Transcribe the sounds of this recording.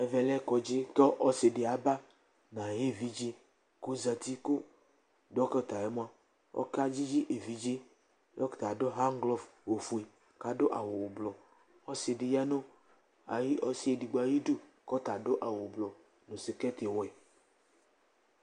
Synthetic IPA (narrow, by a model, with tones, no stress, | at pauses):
ɛ˨vɛ˨lɛ˦kɔ˨d͡ʒɪ˦t̪ɔ˦ʔɔ˦sɪ˨dɪ˨a˨ba˦ | nã˨je˦˨vi˦d͡ʒi˦ | ko˦za˨t̪i˦ko˦ | dɔ˦kɔ˦˨t̪a˨ɛ˦mõ˦a˦ | ɔ̰˦ka˦d͡ʒi˦d͡ʒi˦ʔe˨vi˨d͡ʒi˦ | jɔ˦kt̪a˨do˦ɦa˦ŋ˦ɡlɔ˦fwo˨fu˨e˨ | ka˨do˦ʔa̰˨wo˨wblɔ˨ | ɔ˦sɪ˨dɪ˨ja˦nõ˦ | a̰˨ji˦ʔɔ˦si˦e˨di˨ɡ͡ba˨ji˦du˦ | kɔ˦t̪a˨dʊ˦ʔa˨wo˨blɔ˨ | nõ˨sɪ˨kɛ˦t̪e˨wɛ˨